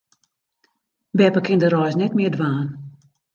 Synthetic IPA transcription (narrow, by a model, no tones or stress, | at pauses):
bɛpəkɪndəɾɔjsnɛtmɪədʋaːn